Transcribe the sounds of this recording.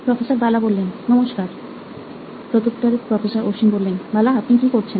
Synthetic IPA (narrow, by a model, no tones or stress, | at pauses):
pɾɔfesoɾbalabolːennɔmoʃkaɾ | pɾot̪ukʈ̪aɾepɾɔfesoɾoɾʃinbolːenbalaapnikikoɾt͡ɕʰen